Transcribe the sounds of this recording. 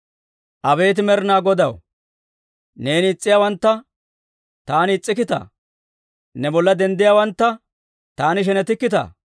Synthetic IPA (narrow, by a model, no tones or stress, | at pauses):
ʔɐbe̞ːt̪̬ɪmɛɾnaːɡɔd̪ɐw | ne̞ːnɪːt͡sʼːɪjaːwɐnt̪ːɐ | t̪aːnɪːt͡sʼːɪkːɪt̪ɐ̰ | nɛbɔlːɐd̪ɛnd̪ɪjaːwɐnt̪ːɐ | t̪aːnɪʃ̬ɛnɛt̪ɪkːɪt̪ɐ̰ː